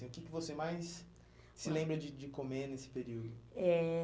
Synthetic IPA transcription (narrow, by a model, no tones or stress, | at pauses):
ĩʊkɪkɪvosemajsː | ɪlẽmbɾɐd͡ʒɪd͡ʒɪkomenesɪ̥peɾiwd̪ʊɛ